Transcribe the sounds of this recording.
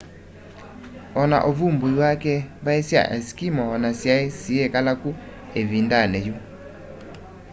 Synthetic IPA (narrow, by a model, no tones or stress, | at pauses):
ɔna̰ʔoβumbojwakɛβaesja̰ʔɛskimɔɔnasjaesiekalaku | eβindanɛju